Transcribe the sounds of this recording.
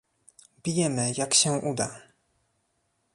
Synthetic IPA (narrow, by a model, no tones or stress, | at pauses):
bʲijɛmɘjakɕɛʔud̪a